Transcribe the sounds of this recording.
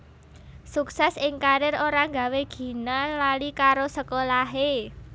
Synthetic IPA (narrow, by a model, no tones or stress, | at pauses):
suksɛsɪŋkaɾɪɾoɾaŋɡa̤weɡ̥i̤nalalikaɾosəkolaɦe